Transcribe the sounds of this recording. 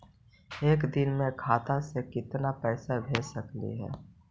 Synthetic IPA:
eːkd̪ɪnmẽkʰaːt̪asekɪt̪napɛːsabʱeːsəklḭɦɛ̰ː

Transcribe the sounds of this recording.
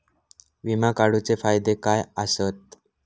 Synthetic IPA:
ʋimakaɽut͡sefajd̪ekajəsət̪̚

